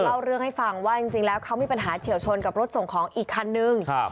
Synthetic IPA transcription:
a˧wɾɯ˥˩əŋha˥˩jfa˧˩ŋwaː˥˩t͡ɕi˧ŋt͡ɕi˧ŋlɛː˦˥wkʰa˦˥wmiː˧˩pa˧nɦaː˩˦t͡ɕʰi˨˩˦əwt͡ɕʰo˧nka˨˩p̚ɾo˦˥t̪̚so˨˩ŋkʰɔː˩˦ŋʔiː˨˩kʰːa˧nːɯ˧ŋ˧

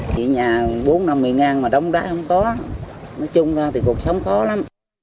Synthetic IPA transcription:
ḭ˧˨ɲaː˨˩ɓo˨˦nna˧mːɨ˨˩əjŋaː˧˩nmaː˨˩ɗə˨˦wŋ͡mɗaː˨˦jhə˧wŋ͡mkɔ˨˦nɔ˨˦t͡ɕʊ˧ŋ͡mzaː˧t̪ʰi˨˩ku˨˩ək̚sə˨˦wŋ͡mxɔ˨˦la˨˦m

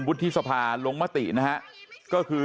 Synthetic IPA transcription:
nwu˦˥t̪ʰːi˦˥sa˧pʰaː˧lo˧ŋma˦˥˩t̪ḭ˨˩ʔna˦˥kʰa˦˥ʔkɔː˥˩kʰɯː˧

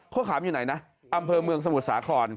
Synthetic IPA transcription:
kʰo˥˩kʰaː˩˦mjuː˨˩na˩˦jna˦˥ | ʔa˧mpʰɤː˧mɯ˧əŋs̬a˧mu˨˩t̪̚saː˩˦kʰɔː˧n

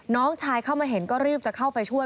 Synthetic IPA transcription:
nɔː˦˥ŋt͡ɕʰaː˧jkʰa˥˩wmaː˧jɦe˩˦nkɔː˥˩ɾɯː˥˩p̚t͡ɕa˨˩kʰa˥˩wpa˧jt͡ɕʰu˥˩əj

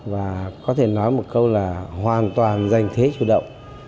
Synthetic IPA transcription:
vaː˨˩kɔ˨˦t̪ʰe˧˩nɔ˨˦jmo˨˩t̚kə˧wlaː˨˩ɦwaː˨˩nt̪waː˨˩nza˨˩jŋ̟t̪ʰe˨˦t͡ɕṵ˧˩ɗə̰˧˨wŋ͡m

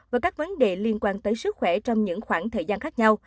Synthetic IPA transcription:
vaː˨˩jkaː˦˥k̚və˨˦nɗe˨˩li˧ənkwaː˧nt̪əː˨˦jsɨ˦˥t̚xwɛ˧˩t͡ɕɔ˧wŋ͡mɲɨ̰˧˥ŋxwaː˧˩nt̪ʰəː˨˩jzaː˧nxaː˦˥k̚ɲa˧w

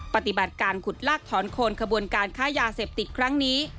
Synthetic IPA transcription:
pa˨˧˩t̪i˨˩ba˨˩t̪̚kaː˧nkʰu˨˩t̪̚laː˥˩k̚t̪ʰɔː˩˦nkʰoː˧nkʰa˧bu˧ənkaː˧nkʰaː˦˥jaː˧seː˨˩p̚t̪i˨˩t̪̚kʰɾa˦˥ŋniː˦˥

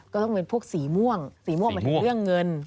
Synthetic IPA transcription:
kkɔː˥˩t̪ɔ˥˩ŋpe˧npʰu˥˩ək̚siː˩˦mu˥˩əŋsiː˩˦mu˥˩əŋm˧nʰ˩˨˧ɾɯ˥˩əŋːɤ˧n

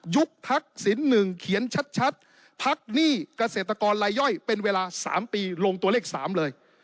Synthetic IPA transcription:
ju˦˥k̚t̪ʰa˦˥k̚si˩˦nːɯ˨˩ŋkʰi˨˩˦ənt͡ɕʰa˦˥t̪̚t͡ɕʰa˦˥t̪̚ | pʰa˦˥k̚niː˥˩ka˧seː˨˩t̪ɾa˧kɔː˧nla˧jːɔ˥˩jpe˧nweː˧laː˧sa̰ː˩˦mpiː˧loː˧ŋt̪u˧əleː˥˩k̚sa̰ː˩˦mlɤː˧j

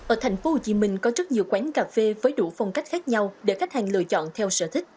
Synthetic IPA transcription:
ʔəː˧˩t̪ʰa˨˩jŋ̟fo˨˦ho˨˧˩t͡ɕi˨˦mï˧˩ŋ̟kɔ˨˦zɨ˦˥t̚ɲi˨˩əwkwa˨˦ŋkaː˨˩fe˧vəː˨˦jɗu˧˩fɔ˧wŋ͡mka˦˥jk̟̚xaː˦˥k̚ɲa˧wɗe˧˩xa˦˥t̚ha˨˩ŋ̟lɨ̰˧˨ət͡ɕɔ̰˧˨nt̪ʰɛ˧wsə̰ː˧˨t̪ʰï˦˥k̟̚

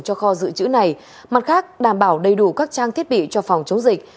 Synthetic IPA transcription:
ŋt͡ɕɔ˧xɔ˧zɨ̰˧˨t͡ɕɨ̰˧˥na˨˩j | ma˨˩t̚xaː˦˥k̚ɗaː˧˩mɓaː˧˩wɗə˧˩jɗu˧˩kaː˦˥k̚t͡ɕaː˧ŋt̪ʰi˦˥ət̚ɓḭ˧˨t͡ɕɔ˧fa˨˩wŋ͡mt͡ɕə˨˦wŋ͡mzï˨˩k̚

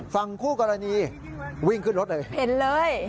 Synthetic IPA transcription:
fa˧ŋkʰuː˥˩kɔ˧ɾa˧niː˧ | wi˥˩ŋkʰɯ˥˩nɾo˦˥ʔlɤː˧˩je˨˩˦nlɤː˧j

